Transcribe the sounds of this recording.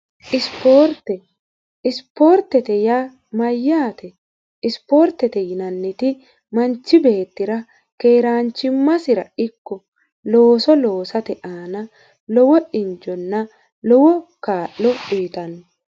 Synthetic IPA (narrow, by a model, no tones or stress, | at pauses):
ʔɪspoːɾt̪ɛ | ɪspo̞ːɾt̪ɛt̪ɛja | mɐjːaːt̪ɛ | ɪspo̞ːɾt̪ːɛt̪ɛjɪnɐnːɛt̪ɪ | mɐnt͡ʃːɪbe̞ːt̪ːɪɾɐ | keːɾaːnt͡ʃːɪmːɐsɪɾɐɪkːɔ | lo̞ːsɔlo̞ːsɐt̪ɛʔaːnɐ | lɔwɔʔɪnd͡ʒɔnːɐ | lɔwɔkaːʔːɔiːt̪ɐnːɔ